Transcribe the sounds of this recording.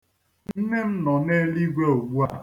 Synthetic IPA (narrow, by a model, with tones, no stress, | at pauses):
n̩˦ne˦m̩˦nɔ˨ne˦li˦ɡʷe˦o˨ɡ͡bu˦a˨